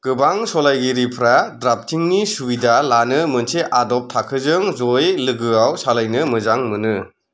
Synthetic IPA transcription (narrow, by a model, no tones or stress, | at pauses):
ɡ̥ɯbaŋsɔlajɡiɾipʰɾadɾap̚tʰiŋnisubidalanɯmɯnseʔadɔp̚tʰakʰɯzɯŋzɔjlɯɡɯawsalajnɯmɯzaŋmɯnɯ